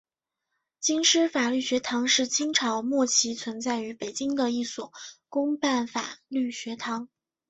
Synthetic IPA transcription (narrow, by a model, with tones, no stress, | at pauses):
t͡ɕi˥ŋʂɻ̩˥fa˨˩ly˥˩ɕɥɛ˧˥t̪ʰɑ˧˥ŋʂɻ̩˥˩t͡ɕi˥ŋʈ͡ʂʰɑ˧˥ʊmwɔ˥˩t͡ɕʰi˧˥t͡sʰwə˧˥nt͡sa˥˩ɪy˧˥pe˨˩ɪt͡ɕi˥ŋd̪ə˨i˥˩swɔ˨˩kʊ˥ŋpa˥˩nfa̰˨˩ly˥˩ɕɥɛ˧˥t̪ʰɑ˧˥ŋ